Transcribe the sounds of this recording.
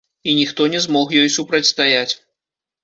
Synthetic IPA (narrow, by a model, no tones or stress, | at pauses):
inʲixt̪ɔnʲɛzmɔxjɔjsupɾɐt͡sʲst̪ajat͡sʲ